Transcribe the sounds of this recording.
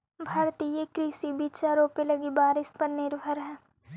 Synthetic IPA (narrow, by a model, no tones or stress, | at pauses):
bʱaːɾt̪ijekɾiːsibiːt͡ʃaɾoːpelɐɡibaːɾɪspɐɾnɪɾbʱəɾɦɛː